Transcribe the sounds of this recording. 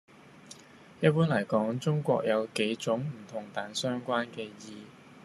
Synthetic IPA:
jɐ˥t̚puː˥nlɐ˨˩jkɔː˨˥ŋt͡sʊ˥ŋkʷɔ̰ː˧k̚jɐ˨˧wke˨˥jt͡sʊ˨˥ŋm̩˨˩t̪ʰʊ˨˩ŋt̪aː˨˩nsœː˥ŋkʷaː˥nkɛː˧jiː˧

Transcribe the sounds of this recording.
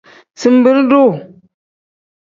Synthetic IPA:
sɨ˨m˦bɨ˦ɾdo˦˨

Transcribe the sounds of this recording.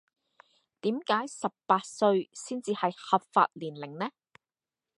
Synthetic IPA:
t̪iː˨˥mkaː˨˥jsɐ˨p̚ːaː˧t̚sɵ˧ɥsiː˥nt͡siː˨˧hɐ˨jhɐ˨p̚fa̰ː˧t̚liː˨˩nlɪ˨˩ŋnɛː˥

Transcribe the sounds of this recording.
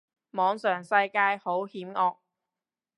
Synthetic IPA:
mɔː˨˧ŋsœː˨˩ŋsɐ˧jkaː˧jho˨˥whiː˨˥mŋɔː˧k̚

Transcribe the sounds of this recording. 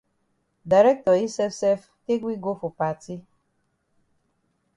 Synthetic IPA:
da˨ɾɛ˦k̚tɔ˨i˦sɛ˦fsɛ˦f | ke˦ɡʷi˦ɡo˦fo˨pa˨ti˦

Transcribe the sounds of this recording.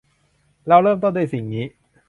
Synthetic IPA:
ɾa˧wɾɤː˥˩mt̪o˥˩ndu˥˩si˨˩ŋniː˦˥

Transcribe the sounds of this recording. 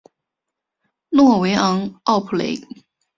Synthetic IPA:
nwɔ˥˩we˧˥ɪʔɑ˧˥ŋɑ˥˩ʊpʰu˨˩lḛ˧˥ɪ

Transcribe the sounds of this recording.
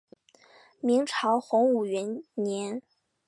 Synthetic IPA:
mi˧˥ŋʈ͡ʂʰɑ˧˥ʊxʊ˧˥ŋu˨˩ɥɛ˧˥nnjɛ˧˥n

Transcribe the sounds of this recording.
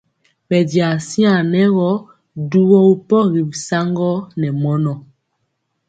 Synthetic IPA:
bɛ˨dja˨si˦a˨nɛ˦ɣɔ˦ | du˦wɔ˦u˦pɔ˦ɣi˨bi˨sa˦ŋɡɔ˦nɛ˨mɔ˦nɔ˨

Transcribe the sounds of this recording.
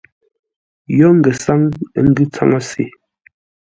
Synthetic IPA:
jɔ˦ŋ̩˨ɡɛ˨sa˦ŋ˦ŋ̩˦ɡʉ˦t͡sa̰˦ŋa˦sḭ˨

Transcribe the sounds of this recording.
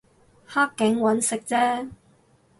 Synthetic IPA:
haː˥kːɪ˨˥ŋwɐ˨˥nsɪ˨k̚t͡sɛː˥

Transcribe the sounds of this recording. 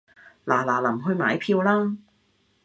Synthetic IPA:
laː˨˩laː˨˩lɐ˨˩mɦɵ˧ɥmaː˨˥jpʰiː˧wlaː˥

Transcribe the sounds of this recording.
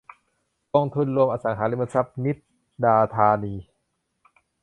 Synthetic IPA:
kɔː˧ŋt̪ʰu˧nɾu˧əmʔaː˧sa˩˦ŋɦaː˩˦li˧˥mba˧sa˦˥p̚ni˦˥t̪̚ | daː˧t̪ʰaː˧niː˧

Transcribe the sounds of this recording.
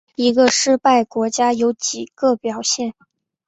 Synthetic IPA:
i˧˥ɡə˧ʂɻ̩˥˧pa˥˩ɪkwɔ˧˥t͡ɕja˥jo˧˥ʊt͡ɕi˨˩ɡ̥ə˧pjɑ˨˩ʊɕjɛ˥˩n

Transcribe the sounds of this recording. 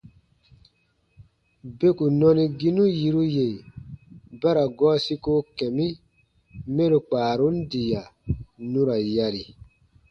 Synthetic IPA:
be˦ku˨nɔ̃˧nĩ˧ɡi˦nũ˦ji˧ɾu˦je˨ | ba˦ɾa˨ɡɔː˦si˦ko˦kɛ̃˨mĩ˦ | mɛ̃˦ɾu˨k͡paː˨ɾu˦n̩˦di˨ja˨nũ˦ɾa˨ja˧ɾi˨

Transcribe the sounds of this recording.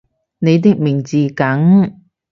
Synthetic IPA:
ne˨˧jt̪̬ɪ˨k̚mɪ˨˩ŋt͡siː˨˧kɐ˨˥ŋ

